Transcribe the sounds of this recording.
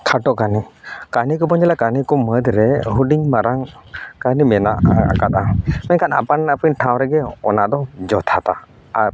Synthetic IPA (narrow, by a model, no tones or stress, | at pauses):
kʰaʈɔʔkanikanikɔpɔɲd͡ʒɛlakanikɔməd̪ɾɛɦuɖiɲmaɾaŋ | kanimɛna̰ʔa̰kat̪̚amɛɲkʰana̰pannapəɲʈʰaw̃ɾɛɡɛɔ̰naʔd̪ɔd͡ʒɔt̪ʰat̪aː | ɾ